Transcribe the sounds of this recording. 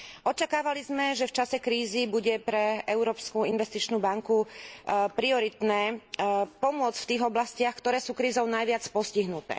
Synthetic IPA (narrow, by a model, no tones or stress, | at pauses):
ɔt͡ʃakaːʋalizmɛʒɛft͡ʃasɛkɾiːzibuɟɛpɾɛɛʊɾɔːpskuinʋɛst̪it͡ʃnuːbaŋku | pɾiɔɾit̪nɛːpɔmʊɔt͡sft̪iːɣɔblascɪaxkt̪ɔɾɛːsuːkɾiːzɔʊnajʋɪat͡spɔsciɦnut̪ɛ̰ː